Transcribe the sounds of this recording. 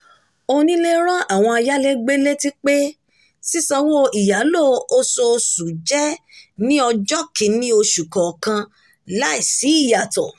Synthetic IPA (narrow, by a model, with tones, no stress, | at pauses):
o˧nĩ˦le˦ɾ̃ã˦ʔa˨w̃ɔ̃˧a˧ja˦le˦ɡ͡be˦le˦ti˦k͡pe˦ | si˦sã˧wo˦i˨ja˨˦lo˦˨o˧so˧su˨d͡ʒɛ˦nĩ˦ɔ˧d͡ʒɔ˦kĩ˨˦nĩ˦o˧ʃu˨kɔ˨kã˧ | la˦i˦˨si˨˦i˦˨ja˨tɔ˨